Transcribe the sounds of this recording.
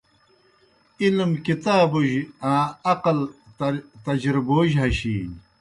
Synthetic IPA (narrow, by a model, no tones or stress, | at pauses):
ilmkit̪aːbuʑãːɐqɐl | t̪ɐd͡ʑɾiboːʑɦɐɕiːn